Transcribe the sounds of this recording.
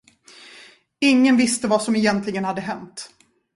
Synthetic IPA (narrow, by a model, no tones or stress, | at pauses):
ɪŋːənvɪst̪əvasɔmɛjɛnt̪lɪɡənhad̪ːəɦɛnt̪